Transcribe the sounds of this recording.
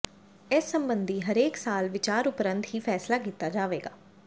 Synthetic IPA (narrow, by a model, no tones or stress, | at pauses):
ɪsːəmbənd̪iːɦəɾeːksaːlʋɪt͡ʃaːɾʊpɾənt̪ɦiːpʰɛːslaːkiːt̪ːaːd͡ʒaːʋeːɡaː